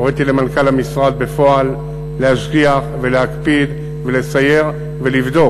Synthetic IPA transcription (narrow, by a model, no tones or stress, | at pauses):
oʁet̪ilemankalamisʁad̪̚be̞fo̞alː | ehaʃɡiaχve̞leakpid̪ | vele̞saje̞ʁ | ve̞livd̪o̞